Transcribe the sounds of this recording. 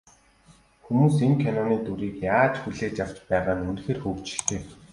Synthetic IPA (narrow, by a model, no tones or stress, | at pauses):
xumuːseŋkʰanɔniːt̪uɾiːkjaːt͡ɕxuɮeːt͡ɕjaw̥t͡ɕpæːʁaːnunxeːrxɵːkt͡ɕɪ̥̆ɬt̪eː